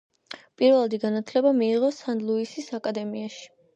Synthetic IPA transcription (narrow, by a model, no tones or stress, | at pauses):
pʼiɾvɛlˠad̪iɡanat̪ʰlɛbamiːʁɔsanlˠuisisakʼad̪ɛmiaʃi̥